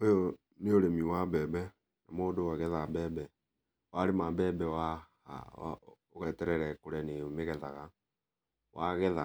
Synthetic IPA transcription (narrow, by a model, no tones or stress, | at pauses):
ojo | neoɾemiwabɛːbɛ | namoːdowaɣɛðabɛːbɛ | waɾemabɛbɛwa | a̰a̰oɣɛːtɛɾɛɾɛkoɾɛneomeɣɛðaɣa | waɣɛða